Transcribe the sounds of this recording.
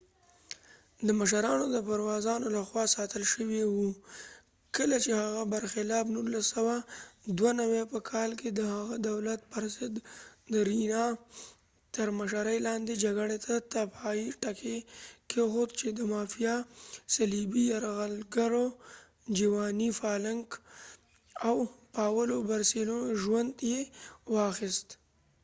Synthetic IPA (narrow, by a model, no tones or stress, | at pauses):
d̪əməʃaɾɑnod̪əpaɾwɑzɑnolaxwɑsɑt̪əlʃəwewu | kəlat͡ʃehaɣabaɾxɪlɑbnulasawad̪wanawepəkʰɑlked̪əhaɣad̪awlat̪̚pəɾzɪd̪d̪əɾinɑ | t̪əɾmaʃaɾəjlɑnd̪ed͡ʒaɡəɽet̪ʰat̪abaiʈakʰekʰexot̪t͡ʃed̪əmɑːfijasalibijaɾɣalɡaɾo | d͡ʒiwɑːnifɑlaŋk | awpaːwəlobaɾsiloʒwand̪jewɑxɪst̪